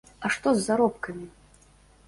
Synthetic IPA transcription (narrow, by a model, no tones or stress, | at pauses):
ɐʂt̪ɔzːaɾɔpkɐmʲi